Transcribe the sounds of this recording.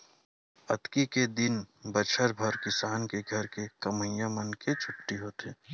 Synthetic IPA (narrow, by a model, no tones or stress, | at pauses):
ɐt̪kiked̪ɪnbət͡ʃʰəɾbʱəɾkɪsaːnkeɡʱɐɾkekɐmə̃jãmənket͡ʃʰʊpʈiɦoːt̪eː